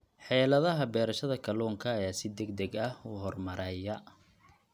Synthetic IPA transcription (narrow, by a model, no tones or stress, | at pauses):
ħɛːlɐðɐɦɐbɛːɾɐʃɐðɐkʰɐlɔːŋkʰɐːjaːsɪd̪ɛɡ̚d̪ɛɡɐhuːhɔrmɐɾʔɛːjɐ